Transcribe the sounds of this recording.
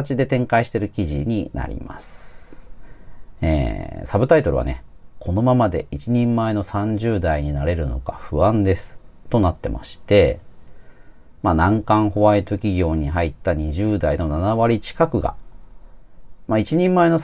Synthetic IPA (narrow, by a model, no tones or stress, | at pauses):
at͡ɕid̪e̞t̪ẽ̞ŋkaiɕi̥t̪e̞ɾɯ̟kʲiʑḭɲ̟ina̰ɾʲḭma̰sɨ̥ɨ̥ | ḛːsabɯ̟t̪ait̪o̞ɾɯ̟βa̰ne̞̰kʰo̞no̞mamad̪e̞it͡ɕiɲ̟ĩmːae̞no̞sãɲ̟d͡ʑɨːd̪aiɲ̟inaɾe̞ɾɯ̟no̞kaɸɯ̟ãnd̪e̞sɨ̥t̪o̞nat̪ːe̞mʔa̰ɕi̥t̪e̞ | manãŋkãɰ̃ho̞βait̪okʲiɡʲo̞ːɲ̟iɦait̪ːaɲ̟iʑɨːd̪aino̞nanaβaɾʲit͡ɕi̥kakɯ̟ɡa̰ | mait͡ɕiɲ̟ĩmːae̞no̞s